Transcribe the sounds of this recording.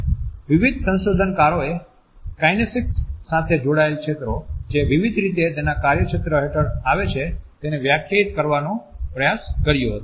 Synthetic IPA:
ʋiʋid̪ʱsə̃nʃod̪ʱənkaɾoe | kajnesiksːat̪ʰed͡ʒoɽaelkʃet̪ɾod͡ʒeʋiʋid̪ʱɾit̪et̪enakaɾjəkʃet̪ɾəɦeʈəɾaʋet͡ʃʰet̪eneʋjakʰjait̪̚kəɾʋanopɾəjaskəɾjoɦət̪o

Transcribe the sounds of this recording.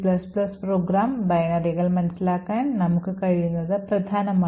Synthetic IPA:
plɐsplɐspɾoːɡɾaːmbɐjɐnɐɾiɣɐɭmɐnɐsilaːkaːnnɐmɐkːukɐɻijunːɐðɐpɾɐd̪ʱaːnɐma

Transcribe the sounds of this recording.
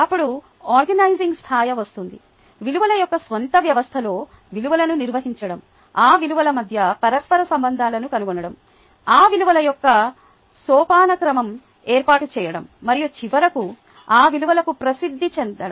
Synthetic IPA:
ɐpːuɽu | aːɾɡɐnɐjziŋɡst̪ʰaːjɐʋɐst̪und̪ḭ | ʋiluʋɐlɐjɔkːɐsʋɐnt̪ɐʋjɐʋɐst̪ʰɐlo̞ː | ʋiluʋɐlɐnuniɾʋɐɦiɲt͡ʃɐɽɐm | aːʋiluʋɐlɐmɐd̪ʱjɐpɐɾɐspɐɾɐsɐmbɐnd̪ʱaːlɐnukɐnuɡɔnɐɽɐm | aːʋiluʋɐlɐjɔkːɐ | sɔːpaːnɐkɾɐmɐm | eːɾpaːʈut͡ʃɛːjɐɽɐmːɐɾijut͡ʃiʋɐɾɐku | aːʋiluʋɐlɐkupɾɐsid̪ʱːit͡ʃend̪ɐɽɐ

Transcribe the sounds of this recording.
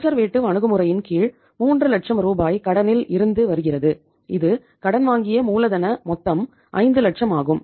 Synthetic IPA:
sɐɾʋeːʈːɯʋɐɳɯɣɯmɯrɐjɪnkiːɻ | muːndrɯlɐʈʂɐmɾuːbaːjkɐɽɐnɪlɪɾɯnd̪ɯʋɐɾɯɣɪrɐðɯ | ɪðɯ | kɐɽɐnʋaːŋɡɪjɐmuːlɐðɐnɐmɔt̪ːɐm | ʔɐ̰ɪnd̪ɯlɐʈʂɐmaːɣɯm

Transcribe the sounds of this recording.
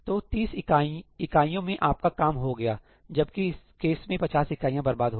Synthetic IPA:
t̪oːt̪iːsaɪkaːijõmẽʔaːp̚kakaːmɦoɡɐjaː | d͡ʒɐb̚kiɪs | keːsmẽpɐt͡ʃaːsɪkaːijãbɐɾbaːd̪ɦoː

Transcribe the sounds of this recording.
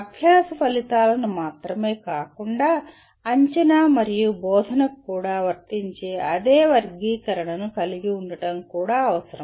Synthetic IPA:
ɐbʱjaːsɐpɐlit̪aːlɐnumaːt̪ɾɐme̞ːkaːkuɳɖaː | ɐɲt͡ʃɐnamɐɾijubɔːd̪ʱɐnɐkːuːɽaːʋɐɾt̪iɲt͡ʃeːɐd̪eːʋɐɾɡiːkɐɾɐɳɐnukɐliɡiuɳɖɐʈɐmkuːɽaːɐʋɐsɐɾɐm

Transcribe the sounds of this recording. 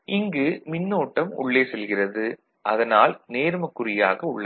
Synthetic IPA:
ʔɪŋɡɯmɪnːoːʈːɐmʊ̰ɭːeːsɛlɣɪrɐðɯ | ʔɐðɐnaːlneːɾmɐkːʊɾɪjaːɣɐʊɭːɐ

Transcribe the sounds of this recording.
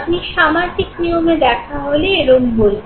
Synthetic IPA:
pniʃamaɾtiknijomed̪ɛkʰaɦoleeɾombol

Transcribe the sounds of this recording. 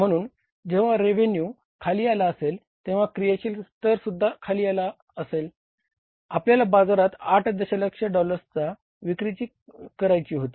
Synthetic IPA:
m̤əɽ̃uːn | d͡ʑeʋ̤aɾeʋenju | kʰaliːalaəsel | t̪ẽʋ̤akɾijaɕiːlt̪əɾsud̪ʱːakʰaliːala | əsel | apljalabad͡zaɾat̪aʈʰd̪əɕaləkʂeɖɔləɾt͡sa | ʋikɾit͡ɕiː | kəɾajt͡ɕiːɦot̪i̥ː

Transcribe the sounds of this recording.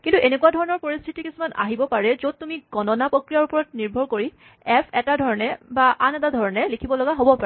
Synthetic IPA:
kintuʔenekuadʱɔɹɔnɔɹpoɹist̪ʰitikisumana̰ɦibɔpaɹɛzod̚tumiɡ̥ɔnɔnapɹokɹijaɹupɔɹɔt̚niɹbʱɔɹkoɹi | ɛpʰɛtadʱɔɹɔnɛbaʔanɛtadʱɔɹɔnɛlikʰibɔlɔɡaɦobɔpaɹɛ

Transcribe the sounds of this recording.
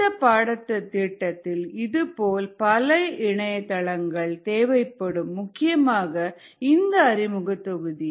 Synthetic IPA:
ɐpaːɽɐt̪ːɐt̪ːiːʈːɐt̪ːɪlɪðɯpoːlpɐlɐʔɪɳɐjɐt̪ːɐɭɐŋɡɐɭt̪eːʋɐɪpːɐɽɯmːʊkːɪjɐmaːɣɐ | ɪnd̪ɐːɾɪmɯɣɐt̪ːɔɣɯði

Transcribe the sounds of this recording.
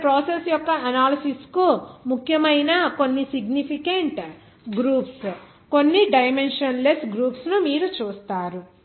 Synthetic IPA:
pɾoːsesjɔkːɐɐnaːlɐsiskumukʰjɐmɐjnɐko̞nːisiɡnipʰikɐɳʈ | ɡɾuːps | ko̞nːiɖɐjme̞nʂɐnlesɡɾuːpsnumiːɾut͡ʃuːst̪aːɾu

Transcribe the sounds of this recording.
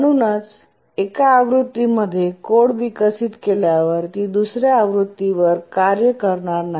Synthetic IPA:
əɽ̃unət͡s | ekaːʋɾut̪ːiməd̪ʱːjekoɽʋikəsit̪keljaʋəɾt̪iːd̪usɾjaːʋɾut̪ːiʋəɾkaɾjəkəɾɳaɾnaɦi

